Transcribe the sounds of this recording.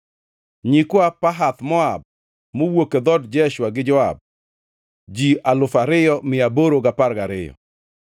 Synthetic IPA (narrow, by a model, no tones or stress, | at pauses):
ɲikoapaɦat̪mɔab̚ | mowoked̪ɔdd͡ʒɛʃwaɡɪd͡ʒɔa̰b̚ | d͡ʒialʊfaɾɪjɔmɪaboɾoɡapaɾɡaɾɪ̰jɔ̰